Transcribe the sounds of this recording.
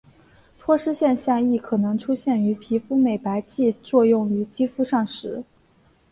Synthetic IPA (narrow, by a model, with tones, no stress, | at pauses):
t̪ʰwɔ˥ʂɻ̩˥ɕjɛ˥˧nɕjɑ˥˧ŋi˥˩kʰɤ˨˩nɤ˧˥ŋʈ͡ʂʰu˥ɕjɛ˥˩ny˧˥pʰi˧˥fu˥me˨˩ɪpa˧˥ɪt͡ɕi˥˧t͡swɔ˥˧jʊ˥˩ŋy˧˥t͡ɕi˥fu˥ʂɑ˥˩ŋʂɻ̩˧˥